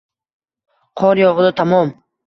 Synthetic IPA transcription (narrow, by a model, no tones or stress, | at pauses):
qʰɒɾjɒʁd̪at̪ʰamɔm